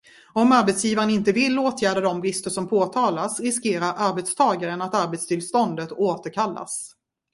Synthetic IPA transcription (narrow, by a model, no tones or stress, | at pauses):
ɔmaɾbɛt̪sjiːvaɾənɪnt̪əvɪlːoːt̪ʰjæːɖad̪ɔmbɾɪst̪əʂɔmpʰoːt̪ʰɑːlasɾɪskeːɾaɾʔaɾbɛt̪st̪ʰɑːɡaɾənat̪aɾbɛt̪st̪ʰɪlst̪ɔnd̪ət̪oːt̪əɾkʰalːa̰s